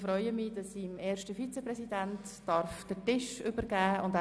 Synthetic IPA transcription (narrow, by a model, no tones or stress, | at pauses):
fɾɔʏəmid̥ɑsːimɛːɾʃtəfit͡sɛprɛsidæntːɑɾfd̥ətɪʃʏbəɾɡæːʊndæ